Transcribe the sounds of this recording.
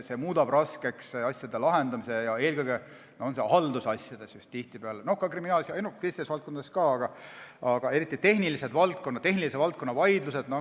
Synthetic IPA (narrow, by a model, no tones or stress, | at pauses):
se̞muːd̪ɑb̥rɑske̞ksɑsjɑd̪elɑɦe̞nd̪ɑmise̞jɑe̞ːlkɯjɡe | noonsehɑld̪̥usɑsʲjɑd̪̥e̞sjust̪t̪ːiht̪ipeɑleno̞hkɑkriminɑːlsjɑenukːesid̪esvɑlt̪̚konɑeskɑːɑɡ̥ɑɑɡ̥ɑe̞ɾit̪ːˑit̪e̞hnilise̞d̪vɑlt̪̚konːɑd̪̚t̪e̞ɦnilis̬evɑlt̪ko̞nːɑvɑjd̪lused̪̥no